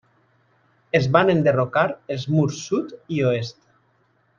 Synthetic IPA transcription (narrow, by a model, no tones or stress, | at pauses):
ezβanend̪erokaɾelˠzmuɾsːut̪ioest̪